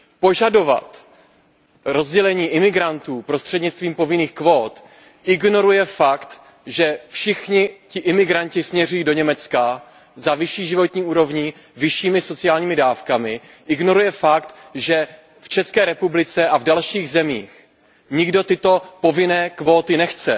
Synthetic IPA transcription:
po̞ʒado̞va̰t̪ | ɾo̞zɟɛlɛɲiːʔɪmɪɡɾant̪uːpɾo̞st̪r̥ɛdɲɪt͡st̪viːmpo̞vɪniːxkvo̞ːt̪ | ʔɪɡno̞ɾujɛfakt̪ | ʒɛfʃɪxɲɪcɪʔɪmɪɡɾaɲcɪsmɲɛr̝ujiːdo̞ɲɛmɛt͡ska | zavɪʃiːʒɪvo̞t̪ɲiːuːɾo̞vɲɪ | vɪʃiːmɪso̞t͡sɪaːlɲiːmɪdaːfkamɪ | ʔɪɡno̞ɾujɛfakt̪ʒɛ | ft͡ʃɛskɛːɾɛpublɪt͡sɛʔavdalʃiːɣzɛmiːx | ɲɪɡdo̞t̪ɪt̪o̞po̞vɪnɛːkvo̞ːt̪ɪnɛxt͡sɛ̰

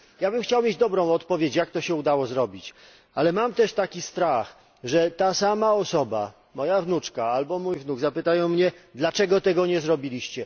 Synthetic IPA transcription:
jabɘmxt͡ɕawmʲed͡ʑd̪ɔbɾɔ̃w̃ɔt̪pɔvʲjet͡ɕjak̚t̪ɔɕɛud̪awɔzɾɔbʲit͡ɕ | alɛmamt̪ɛʂt̪akʲist̪ɾax | ʐɛt̪asamaɔsɔba̰ | mɔjavnut͡ʂkaalbɔmujvnuɡzapɘt̪ajɔ̃w̃mɲɛd̪lat͡ʂɛɡɔt̪ɛɡɔɲɛzɾɔbʲilʲiɕt͡ɕɛ

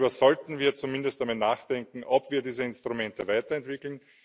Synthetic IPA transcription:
bɐzɔltn̩viːɐt͡sumɪndəst̚d̥amɪtnaːxd̥ɛŋkŋ̩ʔɔpv̥iːɐdiːzəɪnstʁ̥umɛntəvaɪtɐɛntv̥ɪkl̩n

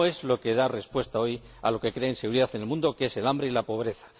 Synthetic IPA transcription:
e̞zlo̞ke̞ð̞are̞spwe̞st̪ao̞j | a̰lo̞ke̞kɾe̞enseɣuɾiðaθenelmũnd̪o̞kee̞se̞lambɾe̞ilapo̞β̞ɾe̞θḁ

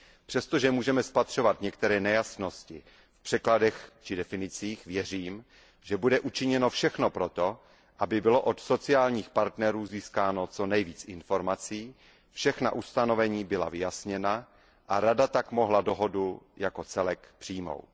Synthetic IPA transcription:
pr̝̥ɛst̪o̞ʒɛmuːʒɛmɛspat̪r̝̥o̞vat̪ɲɛkt̪ɛɾɛːnɛjasno̞scɪ | fpr̥ɛkladɛxt͡ʃɪdɛfɪnɪt͡siːxvjɛr̝iːm | ʒɛbudɛʔut͡ʃɪɲɛno̞fʃɛxno̞pɾot̪o̞ | ʔabɪbɪlo̞ʔot̪so̞t͡sɪaːlɲiːxpaɾt̪nɛɾuːziːskaːno̞t͡so̞nɛjviːt͡sɪnfo̞ɾmat͡siː | fʃɛxna̰ʔust̪ano̞vɛɲiːbɪla̰vɪjasɲɛna | ʔaɾadat̪akmo̞ɦlado̞ɦo̞dujako̞t͡sɛlɛkpr̝̥iːmo̰w

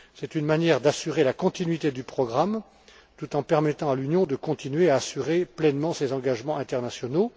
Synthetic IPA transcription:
sɛt̪ynmanjɛʁd̪asyʁelakɔ̃t̪inɥit̪ed̪ypχɔɡʁam | t̪ut̪ɑ̃pɛʁmɛt̪ɑ̃alynjɔ̃d̪əkɔ̃t̪inɥeaːsyʁeplɛnmɑ̃sezɑ̃ɡaʒmɑ̃ɛ̃t̪ɛʁnasjɔno

